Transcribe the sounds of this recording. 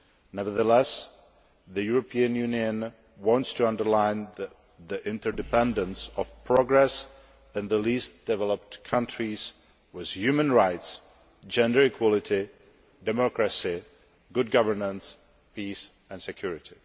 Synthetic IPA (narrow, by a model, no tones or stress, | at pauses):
nɛvə˞ðəlɛs | ðɨjuɹəpʰiɨ̃njʉniɨ̃n | wɑ̃ntstʰɨʌ̃ndə˞lãɪ̃n | ðiʔɪ̃ntə˞dɨpʰɛ̃ndə̃nsɔv̥pʰɹ̥ɔɡɹɛs | ɨ̃nðəlisd̥ɛvɛləp̚tkʰʌ̃ntʰɹ̥iz | wɪð̥jʉmə̃nɹaɪts | d͡ʒɛ̃ndə˞ɨkʰw̥ɔlˠɪti | dɨmɔkɹɨsi | ɡʊd̚ɡʌvə˞nə̃ns | pʰis | ɨ̃nsɨkʰj̥ʊɹɪɾi